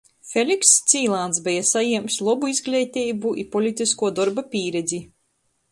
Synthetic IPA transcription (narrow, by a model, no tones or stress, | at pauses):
fʲelʲikst̪sʲiːlˠant̪sbɛjasajiɛmslˠɔbuizɡlʲɛjt̪ʲɛjbuʔḭpɔlʲit̪iskuɔd̪ɔɾbapʲiːɾɛd̪zʲi